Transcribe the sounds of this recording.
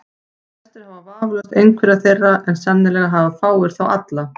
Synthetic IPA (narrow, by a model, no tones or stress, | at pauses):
ɛst̪ɪ̥havavaːvlœst̪ejŋkʰvɛɾaðθejrːaʔɛnsamnɪlɛɣaɦavafaːwɪɾ̥θawa̰t̪la